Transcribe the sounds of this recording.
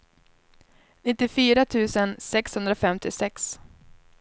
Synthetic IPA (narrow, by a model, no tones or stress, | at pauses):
nɪt̪ːɪfyːɾat̪ʰʉ̟ːsənsɛkshɵnd̪ɾafɛmt̪ʰɪsɛks